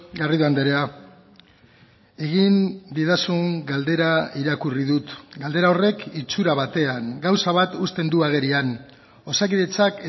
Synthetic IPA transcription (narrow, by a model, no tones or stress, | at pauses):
ɡariðoand̪eɾea | e̞ɣ̞ind̪iðasuŋɡald̪e̞ɾaiɾakurið̞ut̪ɡald̪e̞ɾao̞re̞kit͡suɾaβ̞at̪e̞aŋɡawsaβat̪ust̪e̞nd̪uaɣ̞e̞ɾian | o̞sakiðe̞t͡sak